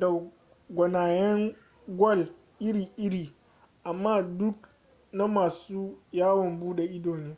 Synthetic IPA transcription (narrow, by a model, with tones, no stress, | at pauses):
da˨ | ɡʷɐ˨naː˨jɛ˦ŋ | ɡʷɔ˦˨l | ʔɪ˦ɾiː˨ʔɪ˦ɾiː˨ | ʔa˨mːaː˦dʊ˦k | na˦maː˨suː˦jaː˦wɔ˨mbuː˦ɗe˨ʔɪ˦doː˨neː˦